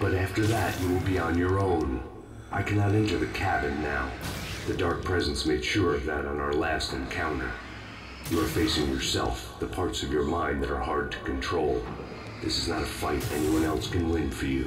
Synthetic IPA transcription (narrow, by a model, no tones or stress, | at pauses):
b̥ʌɾæftə˞ðɨt͡ʃɨwɪlˠbiə̃njə˞õʊ̃n | ʔa̰ɪkʰænɑɾɛ̃ntə˞ðɨkʰæbɨ̃nːaʊðɨdɑɹk̚pʰɹ̥ɛzɨ̃n̩smeɪd̥ʃʊɹʌvðəɾn̩aʊə˞læstɨ̃nkʰãʊ̃ntə̰˞ | jɨə˞feɪsɪ̃ŋjə˞sɛ̰lˠfðəpʰɑɹtsʌvjə˞mãɪ̃nðɨɾə˞hɑɹd̚tʰɨ̥kʰɨ̃n̩tʰɹ̥oʊlˠ | ðɪsɨznəɾəfaɪɾɛniwʌ̃nɛlˠskʰɨ̃nlɪ̃ɱfə˞jʉ̰